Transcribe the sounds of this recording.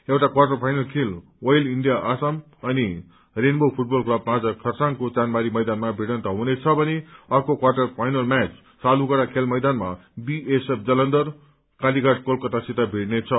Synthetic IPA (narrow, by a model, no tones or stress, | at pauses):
ewʈakwarʈʌrpʰajnʌlkʰel | wʌjliɳɖijaʔasʌm | ʌni | renbʌpʰuʈ̚bʌlklʌbpãd͡zʌkʰʌrsaŋkot͡sanmaɾimʌjd̪anmabʱiɽʌnt̪ʌɦũnet͡sʰʌbʌneʌrkokwarʈʌrpʰajnʌlmat͡s | saluɡʌɽakʰelmʌjd̪anmabiesep̚ʰd͡zʌlʌnd̪ʌr | kaliɡaʈ̚kolkʌt̪asit̪abʱiʈnet͡sʰʌ